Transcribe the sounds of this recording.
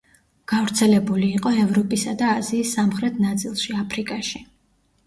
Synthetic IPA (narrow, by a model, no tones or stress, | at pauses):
ɡ̥avɾt̪sʰɛlɛbuliːqʼɔɛvɾɔpʼisad̪aːziːsːamχɾɛt̪ʰnat̪sʼilˠʃiapʰɾikʼaʃi